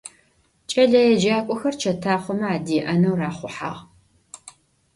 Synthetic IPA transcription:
t͡ʃʼɐɮɐjɛd͡ʒaːkʷʼʊxɐrt͡ʃʰɐtʰaːχʷʊmɐaːdiːʔɐnɐwraːχʷʊħa̰ːʁ

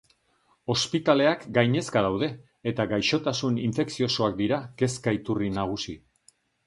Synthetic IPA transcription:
o̞spit̪ale̞akɡajɲe̞skaðawðe̞ː | t̪aɡajʃo̞t̪asuniɱfe̞ksio̞so̞ak̚d̪iɾake̞skait̪urinaɣ̞usi

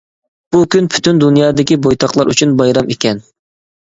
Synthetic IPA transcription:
b̥ukʲynpʰy̥t̪ʰynd̪unjɑːd̪ɪkʲibojt̪ʰɑχlˠɑɾʔy̰t͡ʃʰynbɑjɾɑmekʲɛn

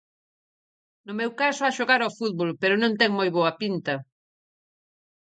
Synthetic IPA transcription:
nʊmewkasʊaʃoɣaɾafuð̚βolpeɾʊnõnt̪ɛŋmojβoɐpint̪ɐ

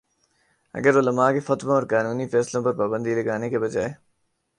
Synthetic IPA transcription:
ɐ̰ɡəɾoləmaːkefɐt̪mãɔɾkaːnuːnipʰɛːslõːpɐɾpaːbə̃nd̪ʱiləɡaːnekebəd͡ʒa̰ːe

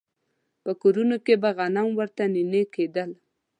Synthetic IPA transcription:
pəkoɾunokebaɣanamwəɾt̪anineked̪əl

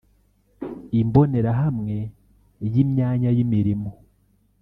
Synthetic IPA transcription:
imbo̞ne̞ɾaɦamŋe̞ | jimɲaːɲajimiɾimo̞

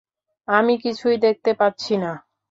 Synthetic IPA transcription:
amikit͡ɕʰujd̪ek̚t̪epatːɕʰina

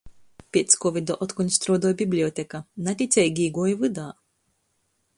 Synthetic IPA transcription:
pʲet̪skovʲid̪ɔʔɔt̪kɔnʲst̪ɾoːd̪oːjbiblʲiot̪ʲekanat̪ʲit̪sʲejɡiɡoːjvɨd̪aː

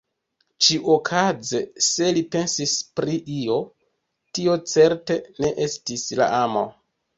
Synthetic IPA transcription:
t͡ʃiʔokʰad͡zese̞lipe̞nsispɾiʔio̞ | tio̞t͡se̞ɾte̞ne̞ʔe̞stisla̰ʔamo̰

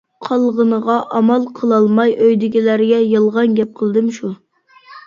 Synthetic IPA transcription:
qʰɑlˠʁənəʁɑʔɑmɑlˠqʰəlˠɑlˠmɑjʔøjd̪ɪɡʲilæɾɡʲɛjɨlˠʁɑnɡʲɛp̚qʰəlˠd̪ɨmʃu

